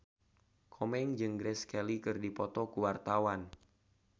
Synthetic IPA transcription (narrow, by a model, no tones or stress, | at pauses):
kʰɔmɛŋd͡ʒɨŋɡɾɛskɛlikɨrdipɔt̪ɔkuwart̪awan